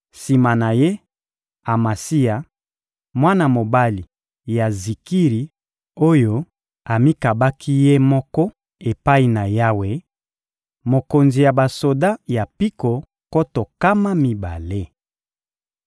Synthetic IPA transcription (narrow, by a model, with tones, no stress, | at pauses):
si˨ma˨na˨je˦ | a˨ma˨si˦a˨ | mwa˦na˨mo˨ba˦li˨ | ja˨zi˨ki˦ʁi˨ | o˦jo˦ | a˨mi˦ka˨ba˦kʰi˦je˦mɔ˦kɔ˦ | e˨pa˦i˨na˨ja˦we˨ | mo˨ko˨nzi˨ja˨ba˨so˨da˦ja˨pi˦ko˨ | ko˦to˨ka˦ma˦mi˨ba˨le˦